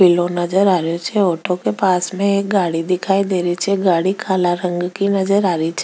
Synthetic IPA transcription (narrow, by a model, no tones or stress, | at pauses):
ilõnəd͡ʒəɾaːɾjot͡ʃʰeoːʈʰokepaːsmẽek̚ɡaːɽid̪ɪkʰaːid̪eːɾit͡ʃʰeɡaːɽikʰaːlaɾə̃ŋɡkinəd͡ʒəɾaːɾit͡ʃʰ